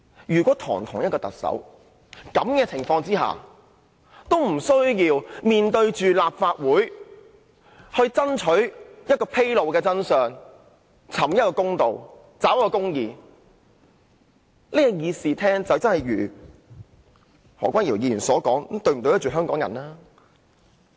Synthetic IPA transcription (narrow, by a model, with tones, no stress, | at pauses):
jyː˨˩kwʷɔː˨˥t̪ʰɔ̰ː˨˩ŋt̪ʰʊ˨˩ŋjɐ˥t̚kɔː˧t̪ɐ˨k̚sɐ̰˨˥w | kɐ˨˥mkɛː˧t͡sʰɪ˨˩ŋfɔː˧ŋt͡siː˥ɦa̰ː˨˩ | t̪o˥wm̩˨˩sɵ˥ɥjiː˧wmiː˨nt̪ɵ˧ɥt͡ʃyː˨laː˨p̚faː˧t̚wuː˨˥j | hɵ˧ɥt͡sɐ˥nt͡ʃʰɵ˨˥ɥjɐ˥t̚kɔː˧pʰe˥jlo˨wkɛː˧t͡sɐ˥nsœː˨ŋ | t͡sʰɐ˨˩mjɐ˥kɔː˧kʊ˥ŋt̪o˨w | t͡saː˨˥wjɐ˥kːɔː˧kʊ˥ŋjiː˨˩ | liː˥jɛ˧jiː˧siː˨t̪ʰɛː˥ŋt͡sɐ˨wt͡sɐ˥nhɐ˨jɥyː˨˩ | hɔː˨˩kʷaː˥nji˨˩wjiː˧ɥyː˨˩nsɔː˨˥kɔː˨˥ŋ˨˥t̪ɵ˧ɥm̩˨˩t̪o˧wjɐ˥t͡ʃyː˨˩ɦœː˥ŋkɔː˨˥ŋjɐ˨naː˥